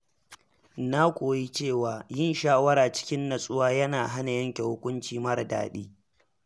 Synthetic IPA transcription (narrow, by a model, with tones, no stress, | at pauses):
na˦kʷʼoː˨ji˦t͡ʃeː˦˨waː˨jɪ˦nʃaː˦wɐ˦ɾaː˨t͡ʃɪ̥˦kʲɪ˦nːɐ˨sʼʊ˦waː˦jɐ˦naː˨ɦa˦na˨jɐ˦ŋkʲe˨hʊ˦kʷʊ˦nt͡ʃiː˨mɐ˦ɽda̰ː˨ɗiː˦